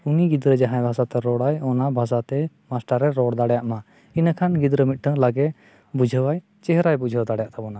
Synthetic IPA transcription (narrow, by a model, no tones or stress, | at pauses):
uniɡid̪ɾəd͡ʒaɦãjbʱasat̪ɛɾɔɽajɔnabʱasat̪ɛ | masʈaɾɛɾɔɽd̪aɽjaʔma | inakʰanɡid̪ɾəmit̪̚ˀʈʰəŋlaɡɛ | bud͡ʒʱəwaj | t͡ʃɛɦɾajbud͡ʒʱəwd̪aɽjaʔt̪ʰabɔna